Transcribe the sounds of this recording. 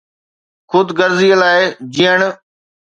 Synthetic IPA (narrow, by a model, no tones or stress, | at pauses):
xʰʊd̪ɡəɾziːəlaːɪd͡ʑiːəɳ